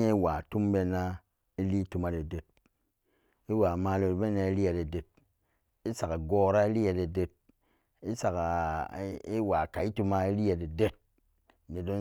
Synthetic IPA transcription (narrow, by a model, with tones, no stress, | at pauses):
e˦i˦wa˨tu˦mbe˧na˦ | i˦li˦tu˧ma˦de˨de˨t̚ | i˦wa˨ma˨lo˨be˦na˧i˦li˦e˨de˨de˨t̚ | i˦sa˨ka˨ɡo˦ɾa˦i˦li˦je˧de˨de˨t̚ | i˦sa˨ka˨ | i˦wa˨ka˨i˦tu˧ma˦i˦li˦je˨de˨de˦t̚ | ne˨do˦n